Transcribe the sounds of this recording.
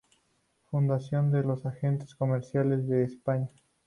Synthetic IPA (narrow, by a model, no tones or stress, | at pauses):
fund̪asjo̞nd̪elosaxe̞nt̪e̥sko̞meɾsjalezðe̞ːspaɲa